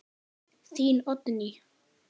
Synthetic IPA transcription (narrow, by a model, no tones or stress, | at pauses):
siːnɔt̪ni